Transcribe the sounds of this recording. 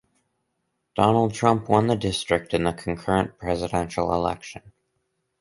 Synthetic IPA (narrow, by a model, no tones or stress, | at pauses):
d̥ɑnl̩ˠd̚tʰɹ̥ʌ̃mpwʌ̃nðɨdɪstɹ̥ɨk̚tɨ̃nðəkʰn̩kʰɜ˞ɨ̃npʰɹ̥ɛzɨɾɛ̃nʃl̩ˠɪ̰lɛ̰kʃɨ̃n